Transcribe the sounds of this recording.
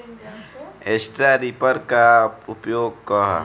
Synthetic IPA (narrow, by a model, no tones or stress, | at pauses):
eːsʈɾaɾipəɾkaʊpjoːɡ̚kɔɦ